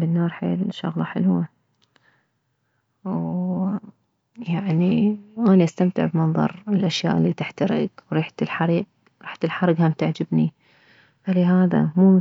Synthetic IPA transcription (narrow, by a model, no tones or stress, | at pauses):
bɪnːɑːɾˤħḛːlʃːɑ̰ɣlɑħɪlwa | w | jaʕniʔaːniʔast̪amt̪ɪ̰ʕbmɑnðˤɑ̰ɾˤɪlʔaʃja̰ːʔɪlːiːt̪ɪħt̪aɾɪ̰ɡwɾiːħt̪ɪlħaɾˤiːɡ | ɾˤɑːħt̪ɪlħɑɾˤɪɡhamt̪aʕd͡ʒɪbni | falɪɦaːða̰muː